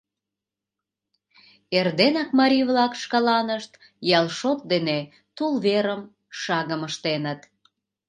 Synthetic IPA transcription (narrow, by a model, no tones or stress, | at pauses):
erd̪enɑkmɑɾʲiβlɑkʃkɑlɑnəʃt̪ | jɑlˠʃot̪̚d̪ene | t̪ulβeɾəm | ʃɑɣəməʃt̪enət̪